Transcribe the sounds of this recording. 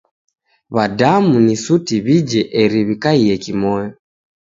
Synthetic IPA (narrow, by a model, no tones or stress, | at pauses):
βadamunisutiβid͡ʒɛʔɛɾiβikaiɛkimɔjɔ